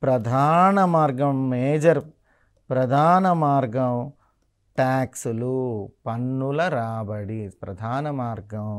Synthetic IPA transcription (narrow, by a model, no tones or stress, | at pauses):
pɾɐd̪ʱaːnɐmaːɾɡɐmmeːd͡ʒɐɾ | pɾɐd̪ʱaːnɐmaːɾɡɐm | ʈaːksulupɐnːulɐɾaːbɐɽipɾɐd̪ʱaːnɐmaːɾɡɐm